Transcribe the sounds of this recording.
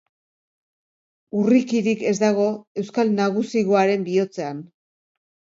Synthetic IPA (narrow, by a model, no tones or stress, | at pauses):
urikiɾike̞zd̪aɣ̞o̞e̞wskalnaɣ̞usiɣoaɾe̞mbio̞t͡se̞an